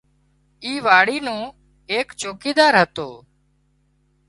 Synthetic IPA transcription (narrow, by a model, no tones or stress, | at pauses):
iːʋaːɽiːnũː | eːkt͡ʃoːkiːd̪aːɾɦət̪oː